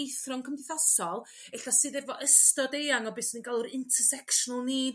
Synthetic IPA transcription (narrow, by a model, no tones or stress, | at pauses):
jθrɔŋkʰəmdɪθɔsɔlˠ | ɛɬasɨːðɛvɔʔəstɔdejaŋɔbɨːsninɡalˠuɾɪntʰərsɛkʃɔnəlˠniːd